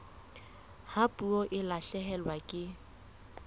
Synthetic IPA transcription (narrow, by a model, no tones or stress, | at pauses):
hapʼuɔʔɪlaɬɛɦɛlwakʼɪ